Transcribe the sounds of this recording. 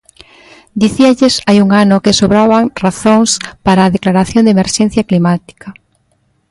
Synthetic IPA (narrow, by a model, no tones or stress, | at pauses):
d̪iθiaʎesajuŋanokesoβɾaβaŋraθoŋspaɾaːðeklaɾaθjond̪emeɾʃen̟θjaklimat̪i̥ka